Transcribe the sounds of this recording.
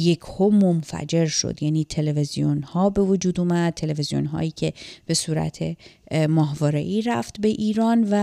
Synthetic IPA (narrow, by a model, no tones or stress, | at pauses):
je̞cʰhomonfæ̰d͡ʒe̞ɾʃo̰d̪̥jæːniːt̪ʰe̞levezijonhɒːbe̞vod͡ʒuːd̪uːmæd̪̚t̪ʰːe̞le̞vezijo̰nɦɒ̰ːjiːcʰe̞b̥e̞suːɾæ̰t̪ʰe̞mɒːɦvɒːɾḛʔiːɾæft̪be̞ʔiːɾɒːnvæ